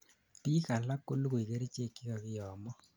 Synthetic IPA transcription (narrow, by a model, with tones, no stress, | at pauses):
ti˦ka˨la˦kːo˦lko˨i˨ke˦ɾi˦t͡ʃe˦˨kːi˦ka˨kɪ˦jɔ˨mɔ˦